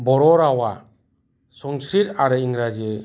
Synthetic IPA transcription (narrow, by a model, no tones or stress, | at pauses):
bɔɾɔɾawa | sɔŋsiɾaɾɯiŋɾad͡ʒie